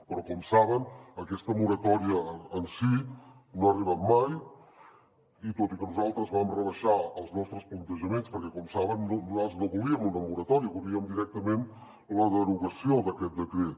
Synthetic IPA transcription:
pɾɔkɔmsaβ̞ənəkɛst̪əmuɾət̪ɔɾiəːnsinoəriβamːaj | it̪ot̪ikənuzalˠt̪ɾəzβamrəβəʃaəlˠznɔst̪ɾəsplənt̪əʒəmenspəɾkɛkɔmsaβənːoaznoβuliəmunəmuɾət̪ɔɾiβuliəmd̪iɾɛk̚t̪əmen | ləðəɾuɣəsioðəkɛt̪̚d̪əkɾet̪

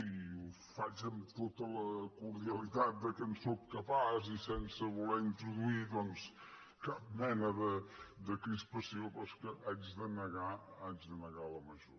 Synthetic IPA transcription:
iu | fat͡ʃəmt̪ot̪ələkuɾðiəlit̪at̪̚d̪əkənsop̚kəpazisɛnsəβulɛint̪ɾuðuiðɔns | kap̚mɛnəðəd̪əkɾispəsiopɔskəʔad͡ʒðənəɣaad͡ʒðənəɣalˠəməʒo

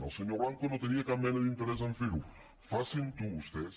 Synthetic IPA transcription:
a̰lˠseɲoɾaŋkonot̪eniakamːɛnoðint̪eɾɛs̬aɱfiɾu | fasint̪uːst̪es

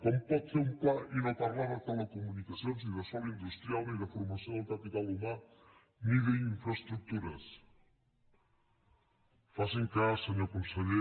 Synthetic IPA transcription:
kompɔt̪θeɾumpainat̪aɾlaɾðat̪elekomunikaθjonsiðɐsɔβind̪ust̪ɾjalniðɐfoɾmaθjoŋat̪ap̪ikaluma | miðeŋiɱfɾast̪ɾuk̚t̪uɾɐs | faseŋkaseɲokõnseʎe

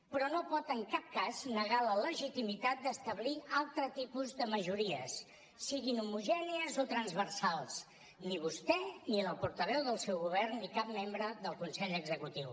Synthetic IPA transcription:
pɾɔnopɔt̪əŋkap̚kaznəɣalələʒit̪imit̪at̪̚d̪əst̪əβlialˠt̪ɾət̪ipuzðəməʒuɾiəsː | iɣinumuʒɛniəzot̪ɾənzβərsalˠs | niβ̞ust̪ɛniləpuɾt̪əβɛwðəlˠsɛwɣuβ̞ɛrnːikap̚membɾəðəlˠkunsɛʎəɡzəkut̪iw

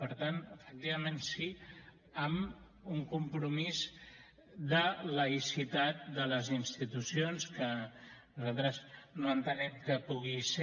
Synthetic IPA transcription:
pəɾt̪anəfək̚t̪iβ̞əmensi | əm | uŋkumpɾumiz | ðələisit̪at̪̚d̪ələzinst̪it̪usionskənuzalˠt̪ɾəznoənt̪ənɛmkəpuɣise

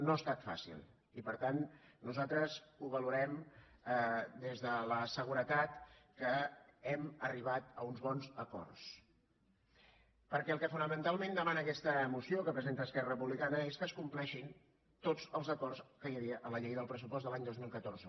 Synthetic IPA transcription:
noəst̪at̪fa̰sḭlˠ | ipəɾt̪annːuzalˠt̪ɾəzuβəluɾɛm | d̪ezðələsəɣ̞uɾət̪at̪kəɛməriβ̞at̪əunzβɔnzəkɔ̰rs | pəɾkɛəlˠkəfunəmənt̪alˠmẽnd̪əmanəːkɛst̪əmusiokəpɾəzent̪əːskɛrərəpuβlikanəeskəskumplɛʃin | t̪od͡zəlˠzəkɔrskəjəβiəʔələʎejðəlˠpɾəs̬upɔsðəlaɲd̪ozmilˠkət̪oɾzə

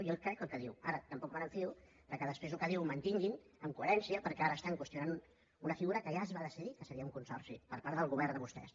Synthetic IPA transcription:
jelkɾɛkəlˠkəðiwaɾət̪əmpɔkmənəɱfiu | d̪̥əɾkɛðəspɾezlukəðiwmənt̪iŋɡin | əmkuəɾɛnsiəpəɾkɛaɾəːst̪aŋkwəst̪junanu | unəfiɣuɾəkəʒazβaðəsiðikəsəɾiəuŋkunsɔ̰rsipəɾpaɾt̪ðəlˠɣ̞uβ̞ɛɾnd̪əβust̪ɛ̰s

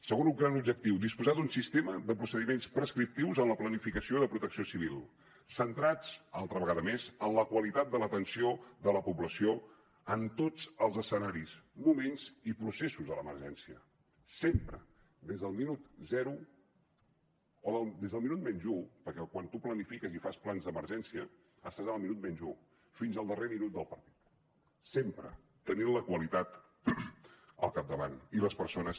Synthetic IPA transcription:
səɣonuŋɡɾanub̚ʒək̚t̪iwd̪ispuzad̪unsist̪eməðəpɾusəðimenspɾəskɾip̚t̪iwzənləplənifikəsioiðəpɾut̪əksiosiβ̞ilˠ | sənt̪ɾad͡zalˠt̪ɾəβəɣaðəmezənləkwəlit̪at̪̚d̪ələt̪ənsioðələpubləsio | ənt̪od͡zəlˠzəsənaɾismumenzipɾusesuzðələmə̰ɾʒɛnsiə̰ | sempɾə | d̪ezðəlˠminut̪zɛɾu | oðəlˠd̪ezðəlˠminut̪mɛnʒupəɾkɛkwant̪uplənifikəzifasplanzðəməɾʒɛnsiə | əst̪azəəlˠminut̪̚mɛnʒu | finzəlˠd̪əreminut̪̚d̪əlˠpəɾt̪i̥t̪ | sempɾə̰ | t̪əninləkwəlit̪at̪ | ə̰lˠkap̚d̪əβaniləspəɾsonəs

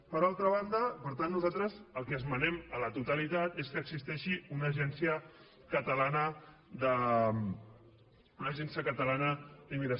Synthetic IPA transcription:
pəɾalˠt̪ɾəβ̞and̪əpəɾt̪anːuzat̪ɾəzəlˠkɛəzmənɛmələt̪ut̪əlit̪at̪eskəːɡzist̪ɛʃiunəʒɛnsiə | kət̪əlanə | d̪ə | unəʒɛnsiəkət̪əlanəd̪imiðə

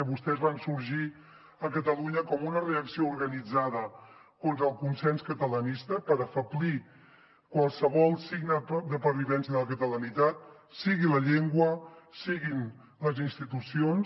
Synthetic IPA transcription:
əβust̪ɛzβansuɾʒi | əkət̪əluɲəkɔmunəreəksiouɾɣənid͡zaðə | kont̪ɾəlˠkunsɛnskət̪ələnist̪əpəɾəfəbli | kwəlˠsəβɔlˠsiɡnəd̪əpəɾβiβɛnsiəðələkət̪ələnit̪at̪̚ | siɣiləʎeŋɡwəsiɣin | ləzinst̪it̪usions

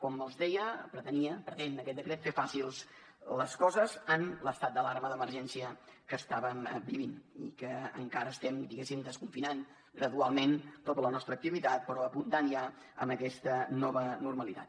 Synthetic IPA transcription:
kɔməlˠzðɛjəpɾət̪əniəpɾət̪enəkɛt̪̚d̪əkɾɛt̪fefasilˠs | ləskɔzəzənləst̪at̪̚d̪əlaɾməðəməɾʒɛnsiəkəst̪aβəmbiβinḭkəə̰ŋkaɾəːst̪ɛmd̪iɣesimd̪əskuɱfinan | ɡɾəðualˠment̪ot̪ələnɔst̪ɾək̚t̪iβit̪at̪̚pəɾɔəpunt̪anja | ə̰məkɛst̪ənɔβənurməlit̪a̰t̪

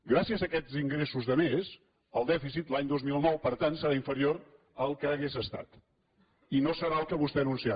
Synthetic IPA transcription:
ɡɾasiəzəkɛziŋɡɾesuzðəmez | əlˠd̪ɛfisit̪laɲd̪ozmilˠnɔwpəɾt̪ansəɾaiɱfəɾioɾ | əlˠkəːɣezəst̪a̰t̪ | inosəɾaəlˠkəβust̪ɛənunsia

